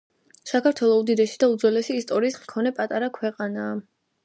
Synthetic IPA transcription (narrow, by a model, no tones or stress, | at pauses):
sakʰaɾt̪ʰwɛlˠɔud̪id̪ɛʃid̪aud̪zwɛlɛʃiːst̪ʼɔɾiːskʰɔnɛpʼat̪ʼaɾakʰwɛqʼanaː